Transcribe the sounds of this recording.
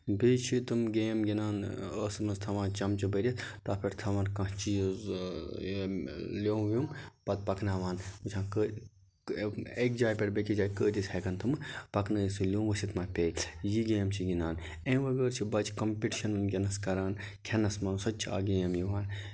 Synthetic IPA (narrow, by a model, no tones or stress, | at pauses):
bit͡ʃʰit̪ɨmɡeːmɡinaːnəsmɐst̪ʰɐʋãːnt͡ʃɐmt͡ʃibɐɾʲɐt̪aːpʰiɾt̪ʰɐʋɐnkɐ̃ɦt͡ʃiz | lʲoːʋʲjumpɐt̪̚pɐknaːʋaːnmut͡ʃʰãːkə | ek̚d͡ʒaːjpʲɐɾbekid͡ʒaːjkəːd̪isʲhɐkɐnt̪ʰɨmɨpɐknɐisulʲuːmʋəsit̪maːpʲeːjiɡeːmt͡ʃʰiɡʲinaːn | ẽːʋɐɡəːɾt͡ʃʰibɐt͡ʃkɐmpʲiʈiʃɐnɐnɡʲenɐskɐɾaːn | kʰenɐsmɐnsɐt͡ʃʰa̰ːɡeːmjiʋaːn